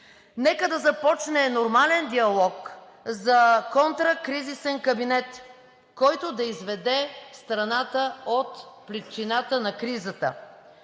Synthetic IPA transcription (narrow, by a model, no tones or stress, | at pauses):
nɛkəd̪ɐzɐpɔt͡ʃnɛnoɾmalɛnd̪iɐlˠɔk | zɐkɔnt̪ɾəkɾizisɛnkɐbinɛt̪ | kɔjt̪od̪ɐizvɛd̪ɛst̪ɾɐnat̪əot̪pɾit͡ʃinat̪ənɐkɾizət̪ə̰